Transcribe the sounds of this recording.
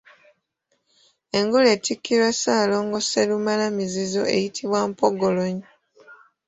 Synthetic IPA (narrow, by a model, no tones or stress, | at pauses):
e̞ŋɡoleːtʰikːiɾasaːlo̞ːŋɡoselumalamizizoʔe̞̰jitʰiβwaːmpoɡoloɲi